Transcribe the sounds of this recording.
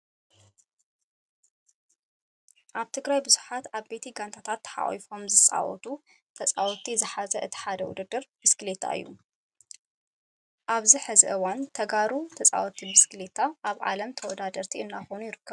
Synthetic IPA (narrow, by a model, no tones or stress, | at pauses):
ʔaβt̪ʰɨɡɾajbɨzuħat̪aβbe̞t̪ʰiɡant̪ʰat̪ʰat̪ːħa̰ʔḭfo̞mzɨt͡sʼa̰wɔ̰t̪ʰu | t̪ʰɐt͡sʼa̰wɔt̪ʰizɨħazɐʔɨt̪ʰi̥ħad̪ɐwʊ̰d̪ɨd̪ɨɾb̥ɨskɨlet̪ʰa̰ɨ̰jːṵ | ʔaβziħɨzɨʔɨwant̪ʰɐɡaɾut̪ʰɐt͡sʼa̰wɔt̪ʰːibɨskɨlet̪ʰaʔaβʕa̰lɐmt̪ʰɐwɔd̪ad̪ɐɾt̪ʰiɨnːaxonujɪɾɨkːɐβ